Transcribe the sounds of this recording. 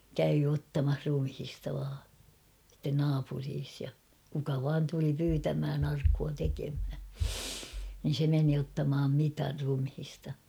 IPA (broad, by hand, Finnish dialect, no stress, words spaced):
kæy otːɑmɑh rumhistɑ ʋɑː sitːen nɑːpuriːs jɑ kukɑ ʋɑːn tuli pyːtæmhæn ɑrkːuɑ tekemhæ nin̞ se meni otːɑmɑːm mitɑr rumhistɑ